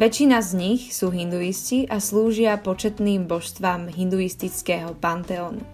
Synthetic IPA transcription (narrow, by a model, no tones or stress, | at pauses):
ʋɛt͡ʃːinazɲixsuːɦind̪uisciʔasluːʒɪapɔt͡ʃɛt̪niːmbɔʃst̪ʋamɦind̪uist̪it͡skɛɦɔpant̪ɛɔːnṵ